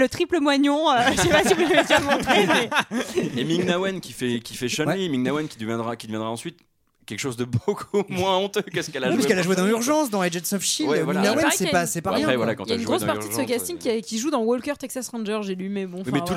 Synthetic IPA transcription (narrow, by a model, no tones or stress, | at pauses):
lət̪χipləmwaɲɔ̃øʒəʃɛpasivuʒavet̪mɔ̃t̪χemɛ | emiŋnawɛnkʲifɛkʲifɛʃɔnwɛimiŋnawɛnkʲid̪əvjɛ̃d̪ʁakʲid̪əvjɛ̃d̪ʁaɑ̃sɥit̪ | kʲɛlkə̥ʃozd̪əbokʰuumwɛ̃ɔ̃t̪økəsə̥kɛlaʒwipiskɛlaʒwed̪ɑ̃lyʁʒɑ̃sd̪ɑ̃ɛd͡ʒɛd̪sɔfʃilw̪wiɡnawɛnsɛpasɛpaʁjɛ̃ɛvwãlakɑ̃tljaɛnɡʁospaʁt̪id̪əsəkast̪ĩŋkʲːiɛkʲiʒud̪ɑ̃wɔlkœʁt̪ɛksasʁɑ̃nʒœʁʒelimɛbɔ̃mɛ̃t̪u